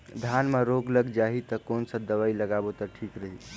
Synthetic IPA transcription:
d̪ʱanmeɾoɡləɡd͡ʒaɦit̪əkonsə̃d̪əʋailəɡabot̪əʈʰikɾəɦi

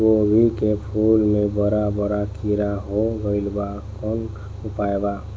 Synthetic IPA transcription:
obʱilkepʰulmẽbəɾabəɾakiɾaɦoɡəɪlba | kən | upaeba

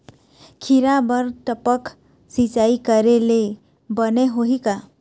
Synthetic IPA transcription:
kʰiɾabəɾt̪əpək | sit͡ʃaikəɾele | bəneɦoɦika

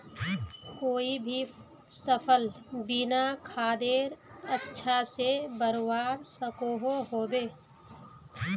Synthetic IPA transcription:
koːibʱi | səpʰəlbinakʰaːd̪eːɾətːʃʰasebəɾwaːɾsəkoːɦoɦoːbeː

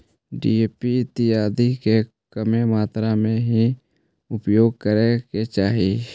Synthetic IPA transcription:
ɖḭːeːpiɪt̪ɪɦaːd̪ike | kəmemaːt̪ɾamẽɦi | ʊpjoːɡ̚kəɾeket͡ʃaːɦi

